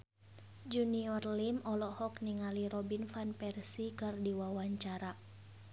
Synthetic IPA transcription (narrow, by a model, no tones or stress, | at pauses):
d͡ʒuniɔrlimɔlɔhɔkniŋaliɾɔbinfanpɛrsikɨrdiwawaɲt͡ʃaɾa